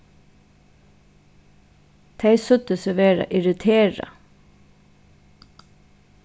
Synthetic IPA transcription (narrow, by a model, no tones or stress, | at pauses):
t̪ʰæɪsœt̪əsəʋeːɹɑ̰ʔɪɹɪt̪ʰeːɹɑ̰